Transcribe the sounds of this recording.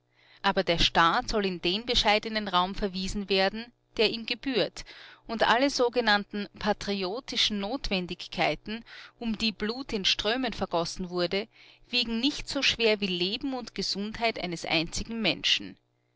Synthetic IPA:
ʔaːbɐdeːɐʃtaːtz̥ɔlɪndeːnbəʃaɪdənənʁaʊmfɛɐviːzn̩veːɐdn̩ | d̥eːɐiːmɡəb̥yːɐtʊntʔa̰ləzoːɡənantn̩pʰatʁ̥ioːtɪʃn̩nːoːtv̥ɛndɪçkʰːaɪtn̩ʔʊmdiːbluːtɪnʃtʁ̥øːmənfɛɐɡ̥ɔsn̩vʊɐdəviːɡŋ̩nɪçtz̥oːʃv̥eːɐviːleːbm̩ʊntɡ̥əz̥ʊnthaɪtʔa̰ɪnəsʔa̰ɪnt͡sɪɡŋ̩mɛ̰nʃn̩

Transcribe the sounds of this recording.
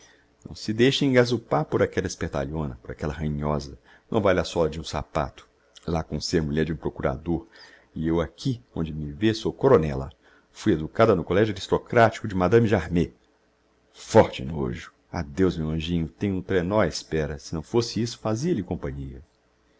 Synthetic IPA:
nɐ̰̃w̃sɪd̪ejʃẽɡazupaɾpoɾakɛlɐɪspeɾt̪a̰ʎõnɐpoɾakɛlɐɦɐ̃ĩɲɔzɐ | nɐ̰̃w̃valasɔlɐd͡ʒɪũsa̰pa̰t̪ʊ̥ | lakõseɾmuʎɛɾd͡ʒɪũpɾokuɾa̰d̪oɾ | ɪewakʰiõnd͡ʒɪmɪvesokoɾonɛlɐ̰ | fujed̪ukad̪ɐnʊkolɛʒʊaɾist̪okɾat͡ʃi̥kʊd͡ʒɪmad̪ɐ̃mɪʒaɾme | fɔɾt͡ʃɪ̰no̰ʒʊ̥ | a̰d̪ewzmewɐ̃ʒĩɲʊt̪ẽɲ̃ʊũt̪ɾenɔɪspɛɾɐsɪnɐ̃w̃fosɪisʊ̥faziɐʎɪkõpɐ̃ɲiɐ̰

